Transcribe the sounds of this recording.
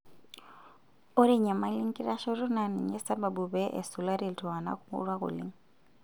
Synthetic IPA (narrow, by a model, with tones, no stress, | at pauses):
o˦ɾi˦ɲa˨ma˦li˦ŋ˦ki˦ɾa˦ʃɔ˦ɾu˦na˨ni˨ɲɛ˦sa˦ba˨bu˨bɛ˦ʔɛ̰˨su˨la˦ɾi˦˨ltu˨a˨na̰˦ku˦ṵ˦ɾwa˦kṵ˨lḭ˦ŋ